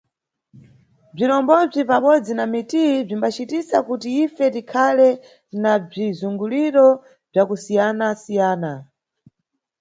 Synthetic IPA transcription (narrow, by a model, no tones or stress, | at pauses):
b͡ʐiɾɔmbɔb͡ʐipaɓɔd͡zinamitib͡ʐimbat͡ʃitisakutiifɛtikʰalɛ | nab͡ʐizuŋɡuliɾɔ | b͡ʐakusijanasijaːna